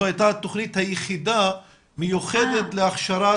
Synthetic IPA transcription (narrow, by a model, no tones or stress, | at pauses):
ajtat̪ːoχnit̪hajeχid̪a | mejuχed̪et̪leaχʃaɾa